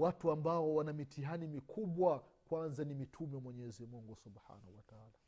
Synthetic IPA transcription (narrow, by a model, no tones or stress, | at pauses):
watuambaɔwanamitʰiɦanimikʰuɓwakwanzanimitʰumɛwamwɛɲɛzimuŋɡusubħa̰ːnahuwataaːla